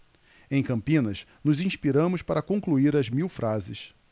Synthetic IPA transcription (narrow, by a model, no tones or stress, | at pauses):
ẽj̃kɐ̃mpĩnɐs | nʊzĩspiɾɐ̃mʊspaɾɐkõkluiɾɐzmiwfɾʔazɪs